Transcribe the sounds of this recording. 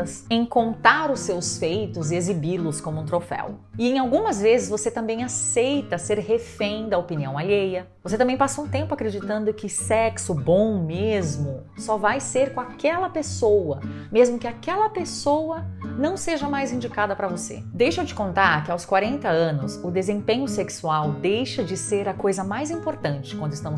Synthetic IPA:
ɐsẽj̃kõnt̪aɾʊsːewsfejt̪ʊzɪezibiɾlʊskõmʊũt̪ɾofɛ̰wɪẽj̃awɡũmɐzvezɪzvoset̪ɐ̃mbẽj̃asejt̪ɐseɾhefẽj̃d̪ɐopiniɐ̰̃w̃aʎejɐ | vos̬et̪ɐ̃mẽj̃pasoũt̪ẽmpʊakɾed͡ʒit̪ɐ̃nd̪ʊkɪsɛksʊbõw̃mezmʊ | sɔvajseɾkõakɛlɐpesowɐ | mezmʊkɪakɛlɐpesowɐnɐ̃w̃seʒɐmajzĩnd͡ʒikad̪ɐpɾɐvosḛd̪ejʃewt͡ʃɪ̥kõnt̪aɾkɪawskwaɾẽnt̪ɐɐ̃nʊsʊd̪ezẽpẽɲʊseksuawd̪ejʃɐd͡ʒɪseɾɐkojzɐmajzĩmpoɾt̪ɐ̃nt͡ʃɪ̥kwɐ̃nd̪ɪst̪ɐ̃mʊ

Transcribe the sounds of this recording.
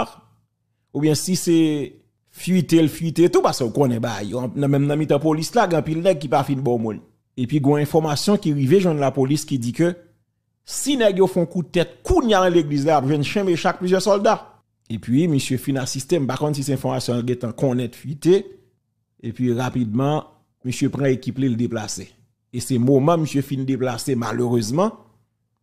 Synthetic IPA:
ubjɛ̃sise | fɥit̪elfɥit̪et̪upaseokõnɛ̃baa̰jõñmɛ̃mnɐ̃mit̪ãpolislaɡɛ̃ãpilnɛɡ̚kipafinbɔ̃mũn | epɥiɡɔ̃ɛ̃fɔʁmasjɔ̃kiʁiveʒwɛ̃nlapoliskidikø | sinɛɡjofɛ̃kud̪̚t̪ɛt̪̚kunjanɐ̃leɡlizlaapʒwɛ̃nʃɛ̃meʃak̚plyzjɛsɔld̪a | epɥiməsjøfinasist̪em̩pakɔ̃ns̬isɛɛ̃fɔʁmasjɔ̃alɡɛ̃t̪ãkɔ̃nɛ̃t̪fɥit̪e | epɥiʁapid̪̚mã | məsjøpʁãekipleldeplase | esɛmomãməsjøfind̪eplasema̰løʁøzmɑ̃

